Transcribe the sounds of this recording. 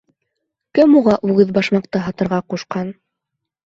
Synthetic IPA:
kɘmuʁɑʔʉɡɘðbɑʃmɑq̚t̪ɤɦɑt̪ɤ̆ɾʁɑquʃqɑn

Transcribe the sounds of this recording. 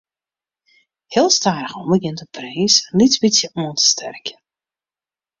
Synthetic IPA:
hɪəlˠstaːɾəxɔmbəɡɪntəpreːslitbisjəʔuəntə̥stʰɛrkə

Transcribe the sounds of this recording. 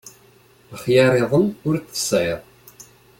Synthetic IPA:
əχjɑɾˤeðˤənʊɾt͡sːə̥sˤæjðˤ

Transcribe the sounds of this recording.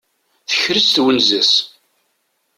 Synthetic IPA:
θə̥çɾəsθwənzæs

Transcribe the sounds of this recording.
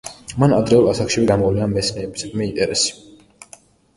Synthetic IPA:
manad̪ɾɛulˠasakʃivɛɡamɔvlɛnamɛt̪snɛːbisɡmɛint̪ʼɛɾɛsi̥

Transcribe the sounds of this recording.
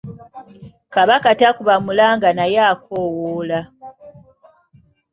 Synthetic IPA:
kaβakatakuβamulaːŋɡanajaːkʰoːwoːla

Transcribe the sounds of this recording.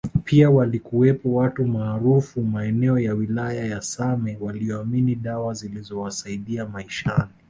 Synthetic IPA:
pʰiawalikuɛpɔwatumaːɾufumaɛnɛɔjawilajajasamɛwaliɔaminiɗawazilizɔwasaiɗiamaiʃani

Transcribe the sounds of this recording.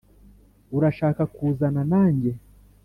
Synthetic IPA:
uɾaʃakakuːzananaːɲɟe

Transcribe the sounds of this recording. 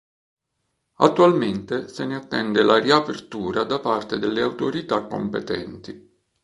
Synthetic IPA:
a̰t̪ːualment̪eseneat̪ːɛnd̪elʔariapert̪uːɾad̪apart̪ed̪elːeawt̪oɾit̪akːo̰mpet̪ɛ̰nt̪i

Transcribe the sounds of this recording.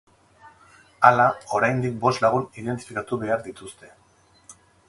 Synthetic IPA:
alao̞ɾajnd̪ik̚bo̞st̪laɣ̞unið̞e̞nt̪i̥fikat̪uβe̞aɾd̪it̪ust̪e̞

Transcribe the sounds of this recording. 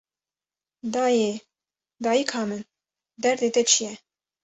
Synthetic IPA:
d̪ɑːje | d̪ɑːjikʰhɑːmɨn | d̪ɛɾd̪et̪ɛt͡ʃʰijɛ

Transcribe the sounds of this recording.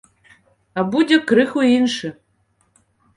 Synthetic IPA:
ɐbudʲɛkɾɨxʊinʃɨ

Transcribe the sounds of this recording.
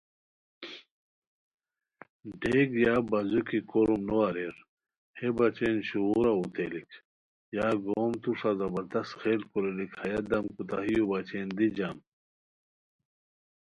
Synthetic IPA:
ɖeɡjaːbɐzukikoɾumnoɐɾeɾ | hebɐt͡ɕenɕuuɾaut̪ʰelikʰ | jaːɡoːmt̪uʂazɐbɐɾd̪ɐsxelkoɾelikhɐjɐd̪ɐmkut̪aɦijubɐt͡ɕend̪id͡ʑam

